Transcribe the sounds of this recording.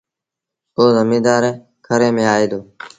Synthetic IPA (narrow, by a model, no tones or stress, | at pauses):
oːzəmĩːd̪aːɾe | kʰəɾẽːmẽːaːeːd̪oː